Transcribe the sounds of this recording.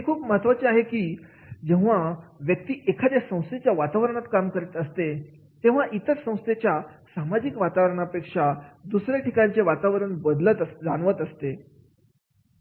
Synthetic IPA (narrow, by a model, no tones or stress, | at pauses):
ɦekʰuːpməɦət̪ʋat͡ɕeaɦekiː | d͡ʑẽʋ̤aʋjək̚t̪iːʔekʰad̪jasə̃w̃st̪ʰet͡ɕjaʋat̪aʋɾəɳat̪kamkəɾet̪əst̪e | t̪ẽʋ̤aʔit̪ət͡ssə̃w̃st̪ʰet͡ɕjasamad͡ʑikʋat̪aʋɾəɳapekʂad̪usɾjaʈikat͡seʋat̪aʋɾəɳbəd̪lət̪əd͡zanʋət̪əst̪e